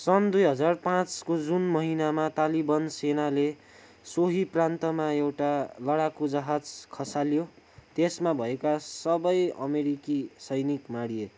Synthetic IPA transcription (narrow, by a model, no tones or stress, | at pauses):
sʌnd̪ujɦʌd͡zarpãt͡skod͡zunmʌɦinamat̪alibʌnsenale | soɦiprãnt̪ʌmaewʈalʌɽakod͡zʌɦad͡zkʰʌsaljo | t̪esmabʱʌekasʌbʌjʌ̰meɾikisʌjnikmaɽie